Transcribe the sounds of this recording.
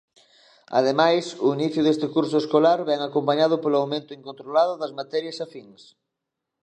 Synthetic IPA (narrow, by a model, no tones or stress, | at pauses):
a̰ð̞emajsʊiniθjʊðest̪ɪkuɾsʊeskolaɾβɛŋakompaɲað̞ʊpolʊawmẽnt̪ʊiŋkõnt̪ɾolaðʊðɐzmat̪ɛɾjasafiŋs